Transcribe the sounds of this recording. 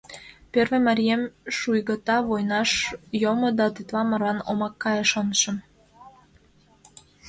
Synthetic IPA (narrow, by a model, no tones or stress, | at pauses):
pørvĕmɑɾʲijemʃujɣə̆t̪ɑβojnɑʃjomod̪ɑt̪yt̪βɑmə̆rlɑnomɑkːɑjəʃonʃə̆m